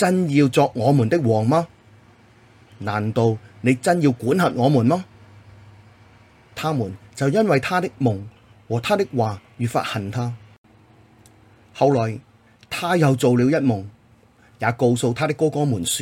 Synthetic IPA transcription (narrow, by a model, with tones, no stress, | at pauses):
t͡sɐ˥njiː˧wt͡sɔː˧k̚ŋɔː˨˧muː˨˩nt̪ɪ˥k̚wɔː˨˩ŋmaː˥ | naː˨˩nt̪o˧wne˨˧jt͡sɐ˥njiː˧wkuː˨˥nhɐ˨t̚ŋɔː˨˧muː˨˩nmaː˥ | t̪ʰaː˥muː˨˩nt͡sɐ˨wjɐ˥nwɐ˨jt̪ʰaː˥t̪ɪ˥k̚mʊ˨˩ŋ | wɔː˨˩t̪ʰaː˥t̪ɪ˥k̚waː˨˩ɥyː˨fa̰ː˧t̚hɐ˨˩nt̪ʰaː˥ | hɐ˨˧wlɔː˨˩j | t̪ʰaː˥jɐ˨˧wt͡so˨wliː˨˧wjɐ˥t̚mʊ˨˩ŋ | jaː˨˧ko˧wso˧wt̪ʰaː˥t̪ɪ˥kːɔː˥kɔː˥muː˨˩nsy˧